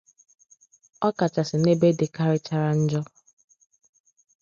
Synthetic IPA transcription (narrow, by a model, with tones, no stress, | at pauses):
ɔ˦ka˨t͡ʃa˨sɪ˨ne˦be˦de˨ka˦ɾɪ˦t͡ʃa˦ɾa˦n̩˦d͡ʒɔ˦